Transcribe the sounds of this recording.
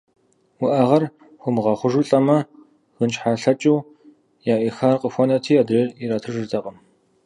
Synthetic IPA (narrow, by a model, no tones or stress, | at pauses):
wʊʔɐʁɐr | xʷʊmɨʁɐχʷʊʒɨɬʼɐmɐ | ɣənt͡ʃħaːɬɐt͡ʃʼɪw | jaːʔixaːrqəxʷɔnɐtʰiːaːdrɐiɾaːtʰɨʒɨrtʰɐqʼəm